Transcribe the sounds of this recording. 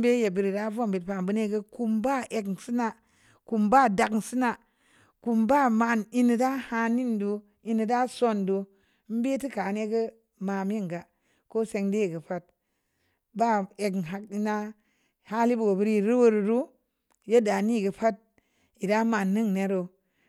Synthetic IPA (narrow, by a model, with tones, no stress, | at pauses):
m˦be˦je˨bi˨ɾi˨da˦vo˦˨mbi˨tpa˨mbu˦ne˦ɡə˦ku˧mba˦˨ʔe˨kn˨si˦na˨ | ku˨mba˦˨da˨kŋ˨si˦na˨ | ku˧mba˦˨ma˧˨ni˧ni˨da˦ha˧ni˦ndu˧ | i˧nɨ˨da˦so˦˨ndu˧˦ | m̩˦be˦ti˦ka˨ne˦ɡə˦ | ma˨m˦ji˦ŋɡa˨ | ko˦se˧ŋde˦˨ɡə˨pa˦t̚ | ba˦˨e˨kn˨ɦa˨k̚i˦na˦ | ha˦li˦bu˨ɡo˨bi˧ɾi˦˨ɾi˦wo˦ɾu˨ɾu˦ | je˦da˨ni˦˨ɡə˨pa˦t̚ | i˨da˦ma˨nːɨ˦ŋne˦ɾo˨